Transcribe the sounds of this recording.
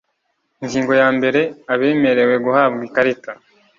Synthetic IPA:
iŋɡiːŋɡo̞jaːmbe̞ɾe̞aβe̞ːme̞ɾe̞we̞ɡuhaːbɡikaɾita

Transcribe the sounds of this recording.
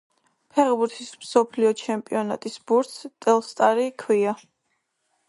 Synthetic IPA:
pʰɛʁbuɾt̪ʰismsɔpʰliɔt͡ʃʰɛmpʼiɔna̰t̪ʼisbuɾt̪sʰt̪ʼɛlˠst̪ʼaɾikʰwia

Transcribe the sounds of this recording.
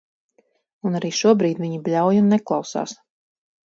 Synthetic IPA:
unaɾiːʃuɔbɾiːt̪viɲiblʲawjunːɛklˠɑwsa̰ːs

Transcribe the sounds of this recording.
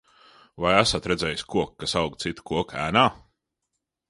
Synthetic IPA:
vajæsat̪ɾɛd̪zʲɛːjisʲkuɔkːasɑwɡt̪sit̪kuɔkæːnaː

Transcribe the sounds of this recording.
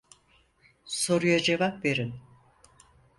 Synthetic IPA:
so̞ɾujad͡ʒe̞vapve̞ɾin

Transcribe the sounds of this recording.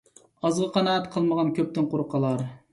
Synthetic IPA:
ɑzʁɑqʰɑnɑːɛt̪qʰəlˠməʁɑnkʲʰøp̚t̪ɪnqʰoɾqʰːɑlˠɑɾ

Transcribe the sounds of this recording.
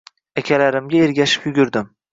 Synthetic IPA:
akʲʰalaɾɪmɡʲaeɾɡʲaʃɪ̥pjʊɡʲyɾd̪ɪm

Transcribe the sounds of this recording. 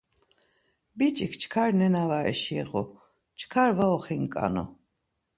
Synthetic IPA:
bit͡ʃʼikʰt͡ʃʰkʰaɾnɛnavaɛ̰ʃiɛ̰ʁɔ | t͡ʃʰkʰaɾvaɔχiŋkʼa̰nɔ̰

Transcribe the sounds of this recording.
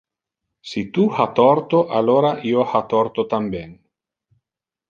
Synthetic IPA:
sit̪uhat̪ɔrt̪oʔalːoːɾaʔiːohat̪ɔrt̪ot̪ambɛn

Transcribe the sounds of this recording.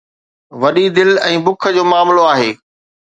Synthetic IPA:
ʋɐɗid̪ɪlɛ̃ːbʊkʰə̆d͡ʑoːmaːmloaːɦeː

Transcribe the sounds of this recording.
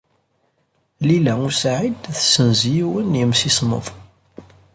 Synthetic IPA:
lilæusaʕid̪θsənzjiwənjəmsismə̰ðˤ

